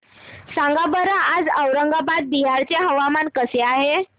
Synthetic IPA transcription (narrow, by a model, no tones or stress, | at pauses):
sãŋɡabəɾaʔad͡zəwɾəŋɡabad̪̚biɦaɾt͡ɕjaɦəʋamankəseaɦe